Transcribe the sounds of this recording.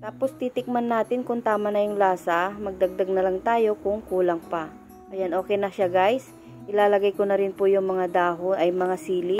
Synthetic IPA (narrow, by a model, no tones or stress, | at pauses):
t̪aːpo̞st̪it̪ɪk̚manːaːt̪ɪnkʊŋt̪aːmɐnɐjʊŋlaːsɐmɐɡ̚d̪ɐɡ̚d̪aɡ̚nɐlaŋt̪aːjo̞kʊŋkuːlɐŋpɐ | ʔɐjanʔo̞ːkɛjnɐʃaɡajs | ʔɪlaːlɐɡajkonɐɾɪnpʊjʊŋmɐŋad̪aːɦonʔɐjmɐŋasiːlɪ